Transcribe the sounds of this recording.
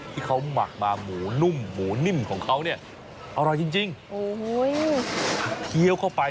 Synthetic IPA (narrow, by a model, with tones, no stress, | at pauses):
t̪ʰiː˧˩kʰa˦˥wma̰˨˩k̚maː˧˩muː˩˦nu˧˩mːuː˨˩˦ni˧˩ŋkʰɔː˩˦ŋkʰa˦˥wni˥˩ɐ | ʔa˧˩wɾɔː˧˩jt͡ɕi˧ŋt͡ɕi˧ŋʔoː˨˩˧j | ki˧ə˧wkʰa˧˥˩wpa˧